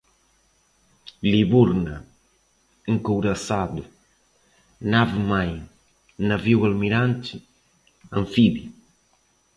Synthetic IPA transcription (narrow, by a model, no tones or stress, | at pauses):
liβuɾnɐ | eŋkowɾɐsad̪ʊ | navmaj | nɐviwɐlmiɾãnt̪ɪ | ɐ̃nfibi